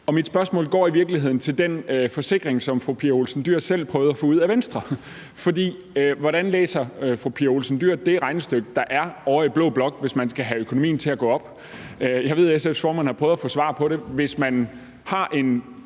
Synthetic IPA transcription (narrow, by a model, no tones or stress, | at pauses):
ɒ̽mid̥sb̥ɶɐsmɔ̰̽ːlɡ̥ɒ̰ːiʋiɐɡ̥liɦe̝ð̰ˠn̩t͡sʰe̝ld̥enfɒ̽se̝ɡ̥ʁeŋsɒ̽mfʁupʰiːɐo̝lsn̩d̥yɐ̰sel̰pʰʁœːʊð̩ˠɐfɔ̽ːuð̞̰ˠæʋensd̥ʁɐ | fɒ̽dḭː | ʋɒɾænlḛːsɐfʁupʰiɐo̝lsn̩d̥yɐ̰d̥e̝ʁɑ̈ɪnesd̥øɡ̥̚d̥ɑ̈ʔæɐɒʊɐid̥̚b̥lɔ̰̽ːb̥lɒ̽ɡ̥ʋe̝smænsɡ̥æɦæøkʰo̝nomḭːn̩t͡sʰe̝æɡ̥ɔ̰̽ːɒ̽b̥ | jɑɪʋe̝ðˠesefsfɒ̰mænhɑ̈pʰʁœːʊðˠɐfɔ̽ːsʋɑ̰̈ːpʰɒ̽ɾe̝ʋe̝smæn | hɑ̈ʔe̝n